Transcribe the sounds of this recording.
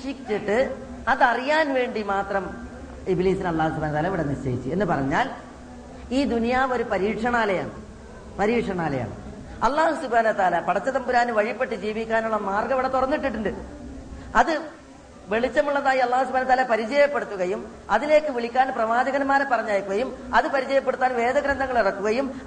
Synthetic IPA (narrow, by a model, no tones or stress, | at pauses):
ʂikt͡ɕːiʈːɨ | ɐðɐrijaːnʋe̞ːɳɖimaːt̪rɐm | ibliːsinɐlˠːaːhus̬ubʱaːnɐt̪ːaːlɐʋiɽɐniɕɐjḭt͡ɕːɨe̞nːɨpɐrɐɲːaːl | iːd̪unijaːmo̞ɾupɐɾiːʈʂɐɳaːlɐja̰ːɳɨ | pɐɾiːʈʂɐɳaːlɐja̰ːɳɨ̰ | ɐlːaːhusubʱaːnɐwɐt̪ːaːlɐpɐɽɐt͡ɕːɐt̪ɐmbuɾaːnɨʋɐɻipːe̞ʈːɨd͡ʑiːʋikʲːaːnuɭːɐmaːrɡɐʋiɽɐt̪urɐnːiʈ̬ːiʈ̬ːuɳɖɨ | ɐðɨ | ʋe̞ɭit͡ɕːɐmuɭːɐðaːjiɐlˠˤːaːhusubʱaːnɐt̪ːaːlɐpɐɾid͡ʑɐjɐpːe̞ɽut̪ːuɣɐjum | ɐðileːkːɨʋiɭikʲːaːnprɐʋaːd͡ʑɐɣɐnmaːɾepːɐrɐɲːaːjkːuɣɐjumɐðɨpɐɾid͡ʑɐjɐpːe̞ɽut̪ːaːnʋe̞ːd̪ɐɡɾɐnd̪ʱɐŋːɐɭirɐkːuɣɐjum